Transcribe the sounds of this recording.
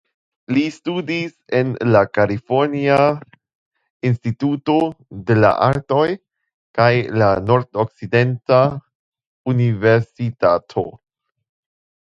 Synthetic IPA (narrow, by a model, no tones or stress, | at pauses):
listudise̞nlakalifo̞ɾnia | instituto̞de̞la̰ʔaɾto̞j | kajlano̞ɾdok̚t͡side̞nta | unive̞ɾsitatʰo̞̰